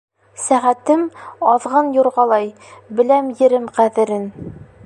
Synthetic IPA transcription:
sæʁæt̪ɘmɒðʁɑnjuɾʁɑlˠɑj | bɘ̆læmjɘ̆ɾɘmqæðɘ̆ɾɘn

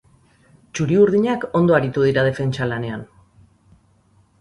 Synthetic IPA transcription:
t͡ʃuɾiuɾðiɲako̞nd̪oaɾit̪uð̞iɾaðe̞fe̞nt͡ʃalane̞an

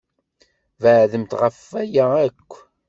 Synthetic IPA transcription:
vəʕðəmt̪ʁəfːæjæækʷː

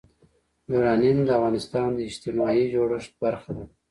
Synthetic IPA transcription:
buɾɑnind̪əavɣɑnɪst̪ɑnd̪əɪd͡ʒt̪imɑid͡ʒoɽəʂt̪̚baɾxad̪a

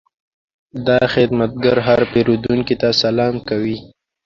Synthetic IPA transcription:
d̪ɑxɪd̪mat̪̚ɡaɾɦaɾpeɾud̪uŋkit̪asalɑmkawi

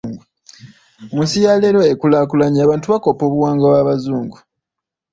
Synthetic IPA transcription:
u | omusijaleɾo̞ekulakulaɲaːβaːntuβako̞po̞ːβuwaːŋɡawaβazuːŋɡu

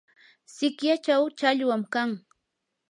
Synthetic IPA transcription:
sɪkjat͡ʃawt͡ʃaʎwamkaŋ

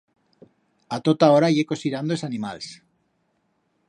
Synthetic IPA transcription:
at̪ot̪aoɾaʝeko̞siɾand̪oesanimals

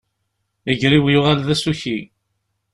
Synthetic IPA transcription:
əʝɾiwjʊʁalðæsuçi

